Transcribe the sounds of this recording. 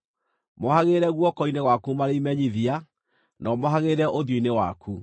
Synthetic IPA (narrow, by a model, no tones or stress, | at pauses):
mohaɣeːɾɛɣwɔkɔineɣwakumaɾeimɛɲiðia | nɔmoɦaɣeːɾɛʔoðjoinewa̰kʰu